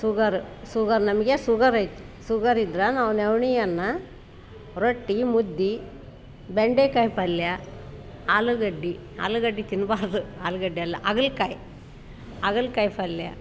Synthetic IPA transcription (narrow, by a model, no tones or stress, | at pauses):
suɡɐɾusuɡɐɾnɐmɐɡesuɡɐɾɐjt̪u | suɡɐɾid̪ɾanɐʋɐneʋɳijɐnːɐ | ɾoʈːimud̪ːi | beɳɖekɐjpɐljɐ | aːluɡɐɖːi | a̰ːluɡɐɖːit̪inːbaːɾɐd̪uaːluɡɐɖiɐlːɐʔɐɡɐɭkaj | ɐɡɐɭkɐjpɐljɐ̰